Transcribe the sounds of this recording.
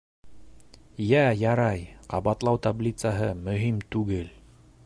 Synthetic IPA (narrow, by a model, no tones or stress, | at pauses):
jæjɑɾɑjqɑβɑt̪lˠɑwt̪ablʲit̪saɦɤmɵ̆ɦimt̪ʉɡɘl